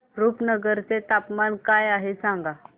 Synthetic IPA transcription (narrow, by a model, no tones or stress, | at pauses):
ɾuːpnəɡəɾt͡set̪apmankajaɦesãŋɡa